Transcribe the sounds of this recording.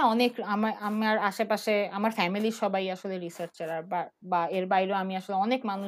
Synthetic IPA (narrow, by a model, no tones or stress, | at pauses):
ɔnekamaamaɾaʃepaʃeamaɾfɛmiliɾʃɔbʱajaʃoleɾisaɾt͡ɕt͡ɕeɾaɾbabaeɾbajɾeoamiaʃoleɔnekmanu